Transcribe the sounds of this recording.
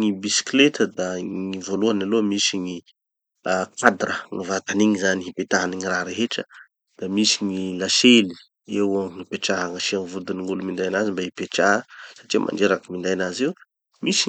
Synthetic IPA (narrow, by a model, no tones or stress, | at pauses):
ŋibisi̥klet̪əd̪aŋivoluanalomisiŋi | akad̪ɾəŋivat̪aniŋizaniɦipet̪aɦaniŋiraɾeɦeʈ͡ʂə | d̪̥amisiŋilaʃeli̥ | ewaŋipeʈ͡ʂaɦaŋaʃiaŋivud̪iniŋɡulumind̪ajnazimbaipeʈ͡ʂaɦəsḁʈ͡ʂiəmʔa̰nɖ͡ʐeɾakəmind̪ajnazew | misi